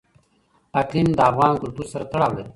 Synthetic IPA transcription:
aklimd̪əafɣɑːnkʊlt̪uɾsaɾat̪aɽaːwle

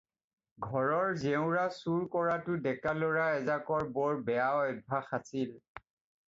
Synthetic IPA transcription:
ɡʱɔɹɔɹzɛʊ̃ɹasuɹkɔɹatʊdɛkalɔɹaɛzakɔɹbɔɹbɛaɔjbʱaxasil

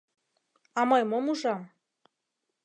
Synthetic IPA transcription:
ɑmɤjmomuʒɑm

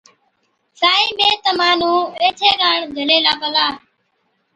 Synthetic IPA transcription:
saːiːmẽːt̪əmaːn̤ũːeːt̪ʰeːkaːɳɡʱəleːlaːpəlaː

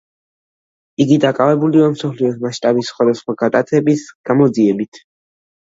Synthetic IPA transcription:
iɡid̪akʼavɛbuliamsɔpʰliɔsmasʃt̪ʼabisːχwad̪asχwaɡ̥at̪ʼat̪sʰɛbisɡ̥amɔd̪ziɛbit̪ʰ

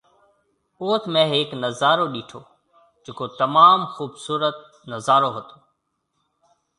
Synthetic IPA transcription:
oːt̪ʰmẽːɦeːknəzaːɾoːɗiːʈʰoː | d͡ʒeːkoːt̪əmaːmxuːbsuːɾət̪̚ | nəzaːɾoːɦət̪oː

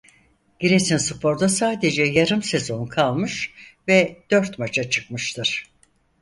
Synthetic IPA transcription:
ɟiɾesinsupʰo̞ɾd̪asaːd̪e̞d͡ʒɛjaɾɯmse̞zo̞nkʰalˠmɯʃvɛd̪̥ø̞ɾt̪mat͡ʃʰat͡ʃʰɯ̥k̚mɯʃt̪ʰɯɾ̥

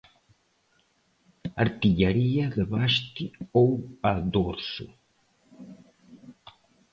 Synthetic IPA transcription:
a̰ɾt̪iʎaɾiɐðəβaʃt̪ɪowad̪oɾsʊ̰

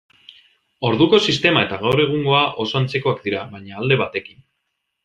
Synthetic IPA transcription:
o̞ɾðuko̞sist̪e̞mae̞t̪aɣawɾe̞ɣ̞uŋɡo̞aʔo̞so̞ant͡se̞ko̞akd̪iɾaβajɲaːld̪e̞β̞at̪e̞kin

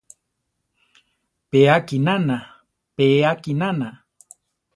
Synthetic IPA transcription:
peakinana | peːakinana

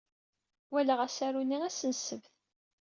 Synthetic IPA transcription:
wæləʁæsæɾuniæsənsəvθ

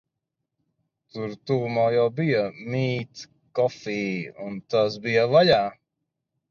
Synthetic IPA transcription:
t̪uɾt̪uːmaːjawbijɐmiːt̪ | kɔfiːunt̪asbijɐvaʎaː

